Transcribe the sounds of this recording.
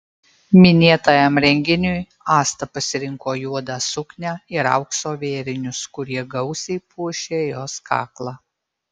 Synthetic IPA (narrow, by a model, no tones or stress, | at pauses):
mʲɪnʲeːt̪ɐːjɛmɾʲɛŋʲɡʲɪnʲʊj | ɑːst̪ɐpɐsʲɪɾʲɪŋkoːjuɔd̪ɑːsʊknʲæːɪɾɐ̰ʊksoːʋʲeːɾʲɪnʲʊskʊɾʲiɛɡɐʊsʲɛɪpuɔʃʲeːjoːskʰɑ̰ːklˠɑː